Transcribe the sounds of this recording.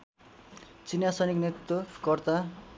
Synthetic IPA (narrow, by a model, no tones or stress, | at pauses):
t͡sinjasʌjnikneokʌrt̪a